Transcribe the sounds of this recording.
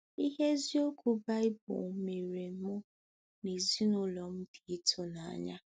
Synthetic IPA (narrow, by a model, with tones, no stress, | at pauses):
i˦ɦe˦zi˦o˦kʷu˨ba˦ɪ˦bʊ̰˨˦me˨ɾe˨m̩˦mʊ˦ | ne˨zi˦nʊ˦lɔ˨m̩˦di˨i˦tʰʊ˦na˨a̰˨ɲa˦